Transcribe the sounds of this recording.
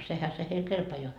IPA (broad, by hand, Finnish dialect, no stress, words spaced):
sehæ se heil kelpɑjoɑ